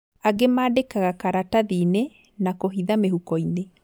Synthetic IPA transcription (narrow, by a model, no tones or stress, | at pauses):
aɡemaːdekaɣakaɾataðiːne | nakoɦiðameɦukɔine